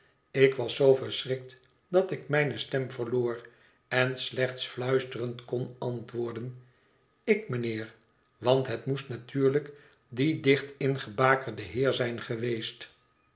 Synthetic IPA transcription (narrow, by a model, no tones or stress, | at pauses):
ɪkʋɑsowvəɹsrɪk̚t | dɑtɪkmɛjnəstɛmvəʁloːr | ɛnslɛχt̪sflœɥstərəntkɔnɑntʋʊːɹdən | ɪkmənɪːɹ | ʋɑntɦətmustnatyːɹlək | didɪχtɪnχəbaːkəɹdəɦɪːɹzɛjnχəʋejst